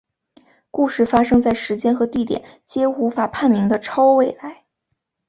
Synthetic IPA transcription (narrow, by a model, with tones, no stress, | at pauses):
ku˥˧ʂɻ̩˥˩fa˥ʂɤ˥ŋt͡sa˥˩ɪʂɻ̩˧˥t͡ɕjɛ˥nxɤ˧˥t̪i˥˩t̪jɛ̰˨˩˦n | t͡ɕjɛ˥u˧˥fa˨˩pʰa˥˩nmi˧˥ŋd̪ə˧ʈ͡ʂʰɑ˥ʊwe˥˩ɪla˧˥ɪ